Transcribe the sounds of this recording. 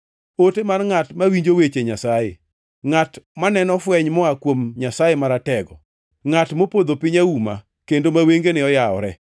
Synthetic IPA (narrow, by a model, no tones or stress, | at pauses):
otemarŋatmawiɲd͡ʒowet͡ʃeɲasajḛ | ŋatmanɛnɔfwɛɲmɔakwomɲasajemaɾatɛɡɔ̰ | ŋatmopod̪opɪɲauma̰ | kendomaweŋɡenɪɔjaɔɾɛ